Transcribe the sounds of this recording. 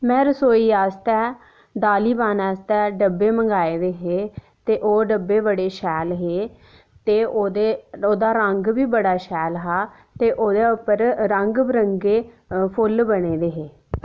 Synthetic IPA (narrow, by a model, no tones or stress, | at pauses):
mɛ̃ːɾəsoːiːaːst̪ɛː | d̪aːliːbaːnaːst̪ɛːɖəbeːməŋɡaːeːd̪eːɦeː | t̪eːʔoːɖəbːeːbəɽeːʃɛːlɦeː | t̪eːoːd̪eːoːd̪aːɾəŋɡbiːbəɽaːʃɛːlɦaː | t̪eːʔoːd̪eːʊpəɾɾəŋɡbɾəŋɡeː | pʰʊlbəɽeːd̪eːɦeː